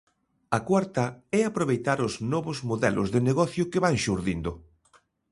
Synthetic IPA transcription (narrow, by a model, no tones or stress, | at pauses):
ɐkwaɾt̪ɐɛapɾoβ̞ejt̪aɾʊznɔβʊzmoðɛlʔʊ̰zðɪneɣɔθjʊkeβaŋʃuɾðind̪ʊ